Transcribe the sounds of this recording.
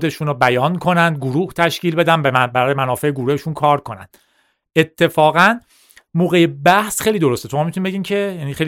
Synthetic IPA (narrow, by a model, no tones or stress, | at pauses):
d̪e̞ʃuːnɾobæjɒːnkʰo̞nænd̪̚ɡoɾuːht̪ʰæʃciːlbe̞d̪ænbbæɾɒːjemænɒːfeeɡuɾuheʃunkʰɒːɾkʰo̞næ̰nd̪̥ | ʔet̪ʰːe̞fɒːɣæn | moːɣejebæhsχejliːd̪o̞ɾo̞st̪et̪ʰomɒːmit̪ʰunimbeɟiːmcʰe̞jæniːxel